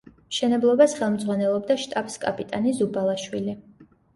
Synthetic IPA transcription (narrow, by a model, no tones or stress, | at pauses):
mʃɛnɛblˠɔbasχɛlˠmd̪zʼʁwanɛlˠɔbd̪aʃt̪ʼapskʼapʼit̪ʼanizubalˠaʃwili